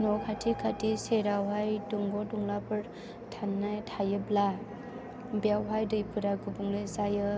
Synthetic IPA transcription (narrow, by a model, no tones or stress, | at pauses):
nɔkʰatʰikʰatiseɾawɦajduŋbɔduŋlapɯɾ | tʰanːajtʰajɯbla | bijawɦajdɯjpʰɯɾaɡubuŋlɯsajɯ